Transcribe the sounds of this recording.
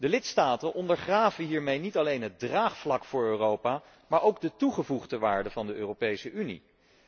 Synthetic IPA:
dəlɪtstaːtənʔɔndəɹχraːvəɦiːɹmejnitɑlejnɦəd̚draːχflɑkfʊːɹøːrowpaː | maːɹowɡ̚dətuχəvuχdəʋaːɹdəvɑndəøːrowpejsəʔynḭ

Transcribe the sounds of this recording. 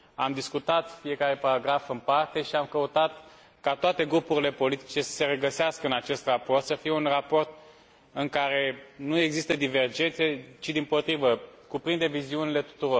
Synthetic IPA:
a̰md̪iskut̪at̪fije̞kaɾe̞paɾaɡɾafɨmpart̪e̞ʃiamkəut̪at̪ | kat̪oat̪e̞ɡɾupuɾile̞po̞lit̪i̥t͡ʃe̞sə̥se̞ɾeɡəseaskəɨnat͡ʃe̞st̪rapo̞rt̪səfije̞unrapo̞rt̪̚ | ɨŋkaɾe̞nue̞ɡzist̪əd̪ive̞rd͡ʒe̞nt̪se̞t͡ʃid̪impo̞t̪ɾivəkupɾind̪e̞viziunile̞t̪u̥t̪uɾo̞r

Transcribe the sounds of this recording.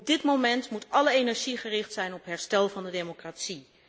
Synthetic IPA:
b̚dɪtmomɛntmutɑləejnɛɹʒiχərɪχtsɛjnɔpɦɛɹstɛlˠvɑndədejmokratsi

